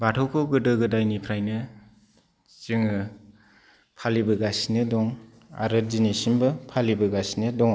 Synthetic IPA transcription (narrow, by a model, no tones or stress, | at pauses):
batʰɔwkʰɯwɡɯdɯɡɯdajnipʰɾajnɯ | t͡ʃiŋɯ | pʰalibɯɡasinɯdɔŋ | a̰ɾɯd͡ʒinisimbɯpʰalibɯɡasinɯdɔŋ